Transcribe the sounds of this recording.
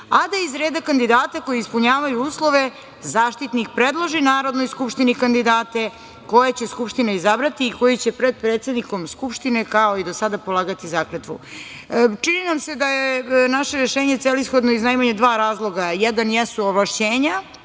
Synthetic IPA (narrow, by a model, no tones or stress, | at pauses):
ad̪aizɾeːd̪akand̪id̪aːt̪ako̞jiispuɲaːʋajuuːslˠo̞ʋe̞ | zaːʃt̪it̪nikpɾed̪lˠoʒinaːɾo̞d̪nojskupʃt̪inikand̪id̪aːt̪e̞ | ko̞jet͡ɕe̞skupʃt̪inaizabɾat̪iːko̞jit͡ɕepɾe̞d̪̚pɾe̞ːt̪sed̪niko̞mskupʃt̪ine̞kao̞id̪osad̪apolˠaːɡat̪izakɾet̪ʋṵ | t͡ʂininamse̞d̪ajenaʃeɾeʃe̞ːɲet̪selisxo̞d̪no̞iznajmaɲed̪ʋaːɾaːzlˠo̞ɡajɛd̪anjɛsuoʋlˠaʃt͡ɕeːɲa